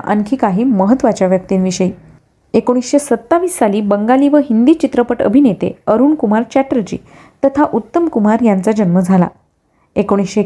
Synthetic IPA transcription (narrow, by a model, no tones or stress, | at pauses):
ʔə̰nkʰiːkaɦiːməɦət̪ʋat͡ɕjaʋjək̚t̪iːnʋiɕəi | ekoɽ̃isɕesət̪ːaʋiːsːaliːbəŋɡaliːʋəɦind̪iːt͡ɕit̪ɾəpəʈə̰bʱinet̪ḛəɾuːɳkumaɾt͡ɕɛʈəɾɾət͡ɕḭː | t̪ət̪ʰaʔut̪ːəmkumaɾjant͡sad͡ʑənməd͡zʱala̰ | ekoɽ̃isɕe